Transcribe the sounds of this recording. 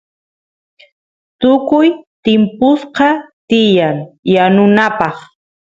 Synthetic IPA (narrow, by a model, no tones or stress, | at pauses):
t̪ʊkʊjt̪ɪmpʊsqɑt̪ɪjaŋjanʊnapɑχ